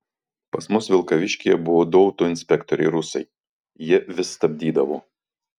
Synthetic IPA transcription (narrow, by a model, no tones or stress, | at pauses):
pɐsmʊsʋʲɪlˠkɐʋʲɪʃʲkʲɪjɛbʊʋoːd̪ɔʊt̪oːɪnʲsʲpʲɛkt̪ɔɾʲɛɪɾʊsɐɪ | jɪɛʋʲɪst̪ɐbʲd̪ʲiːd̪ɐʋoː